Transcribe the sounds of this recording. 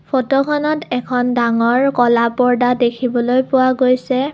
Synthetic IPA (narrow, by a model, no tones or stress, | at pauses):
pʰotɔkʰɔnɔtɛkʰɔndaŋɔɹkɔlapɔɹdadekʰibɔlojpʊwaɡojsɛ